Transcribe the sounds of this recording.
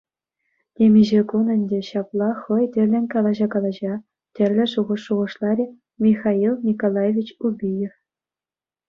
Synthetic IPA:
nʲemʲiʑekunɘ̆nʲdʲĕɕɑplˠɑχɤ̆jtʲɘ̆rʲlʲɘ̆nʲkɑlˠɑʑɑkɑlˠɑʑɑ | tʲɘ̆rʲlʲɘ̆ʂuʁɤ̆ʂːuʁɤ̆ʂlˠɑɾʲi | mʲixɑilˠnʲikolˠɑjevʲit͡ɕubʲijef

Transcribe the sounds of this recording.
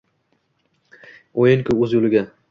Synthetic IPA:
ojɪŋkʲʰʊɵzolɪɡʲa

